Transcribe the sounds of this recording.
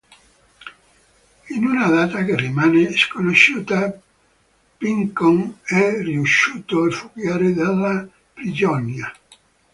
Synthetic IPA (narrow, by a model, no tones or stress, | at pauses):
inunad̪aːt̪akerːimaːneskonoʃːuːt̪a | piŋkoŋɛriuʃːuːt̪oalfukjaːɾed̪elːa | pɾid͡ʒɔnja